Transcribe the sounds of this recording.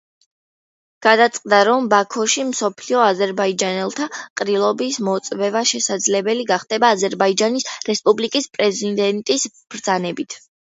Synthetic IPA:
ɡ̥ad̪at̪sʼqʼd̪aɾɔmbakʰɔʃimsɔpʰliɔazɛɾbaid͡ʒanɛlˠt̪ʰaqʼɾilˠɔbismɔt̪sʼvɛvaʃɛsad̪zlɛbɛliɡaχd̪ɛbaːzɛɾbaid͡ʒanisɾɛspʼublikʼispʼɾɛzid̪ɛnt̪ʼis | b̥ɾd̪zanɛbit̪ʰ

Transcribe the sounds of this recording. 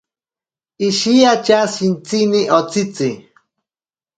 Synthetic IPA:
iʃiat͡ʃasint͡siniʔot͡sit͡si

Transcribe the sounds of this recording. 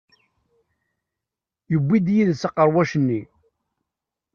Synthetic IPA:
jəbːid̪jiðsəqːəɾˤwæʃənːi

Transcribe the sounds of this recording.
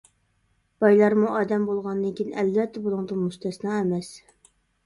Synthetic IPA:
b̥ɑjlˠɑɾmuʔɑːd̪ɛmbolˠʁɑnd̪ɨnkʲʰinʔɛlvɛt̪ʰːɛbolˠuŋd̪ɨnmuʃt̪ʰɛsnɑemɛs

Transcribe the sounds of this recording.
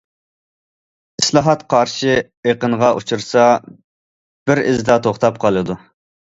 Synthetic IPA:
islˠɑɦɑt̪qʰɑɾʃi | eqənʁɑʔut͡ʃʰuɾsɑ | b̥ɪɾɪzd̪ɑt̪ʰoχt̪ɑp̚qʰɑlˠɨd̪u

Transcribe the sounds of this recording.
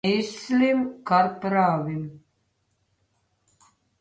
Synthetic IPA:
islimkaɾpɾaːvim

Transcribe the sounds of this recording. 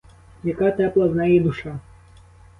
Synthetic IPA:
jakat̪ɛplˠɐznajɛd̪uʂa

